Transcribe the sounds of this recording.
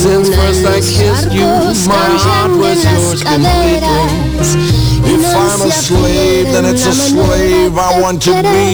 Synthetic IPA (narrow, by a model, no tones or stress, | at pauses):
zɨ̃nfɜ˞staɪkʰɪsjɨ | maɪ | ɑd̚wʌzjə˞zɡɨ̃nlik̚ɨ̃m | ɪfãɪ̃məsleɪ | vðɨ̃nɨtsəsleɪvaɪwɑ̃ntʰɨbi